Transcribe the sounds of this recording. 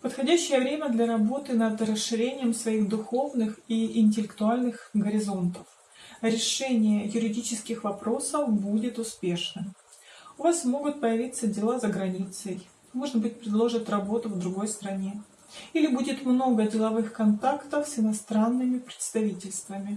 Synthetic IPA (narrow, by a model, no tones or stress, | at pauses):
pət̪xɐdʲæɕːɪjəvɾʲemʲəd̪lʲɐɾɐbo̞t̪ɨnəd̪rəsʂɨɾʲenʲɪjəmsvɐixd̪ʊxo̞vnɨxiɪnʲt̬ʲɪlʲɪkt̪ʊalʲnɨxɡəɾʲɪzo̞nt̪əf | ɾʲɪʂɛnʲɪjəjʊɾʲɪdʲit͡ɕɪskʲɪxvɐpɾo̞səfbudʲɪt̪ʊspʲe̞ʂnɨ | ʊvasmo̞ɡʊt̪̚pəjɪvʲit̪sːədʲɪlˠazəɡɾɐnʲit̪səj | mo̞ʐnəbɨt̚ʲpɾʲɪd̪lˠo̞ʐɨt̪ʲrɐbo̞t̪ʊvd̪ɾʊɡo̞jst̪ɾɐnʲe̞ | ilʲɪbudʲɪt̪mno̞ɡədʲɪlˠɐvɨxkɐnt̪akt̪əfsɪnɐst̪ɾanːɨmʲɪpɾʲɪ̥t̪st̪ɐvʲitʲɪlʲst̪vəmʲɪ